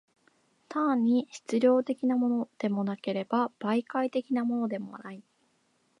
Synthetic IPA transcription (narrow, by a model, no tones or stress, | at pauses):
t̪ãɲ̟ːiɕi̥t͡sɨɾʲo̞ːt̪e̞kʲinamo̞no̞d̪̥e̞mo̞nake̞ɾe̞bab̥aikait̪e̞kʲinamo̞no̞d̪e̞mo̞a̰nai